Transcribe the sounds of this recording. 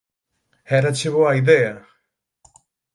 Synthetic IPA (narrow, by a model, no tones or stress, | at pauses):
heɾat͡ʃeβoaiðea